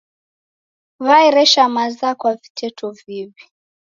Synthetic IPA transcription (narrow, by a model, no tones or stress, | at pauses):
βaiɾɛʃamazakwavitʰɛtʰɔviβi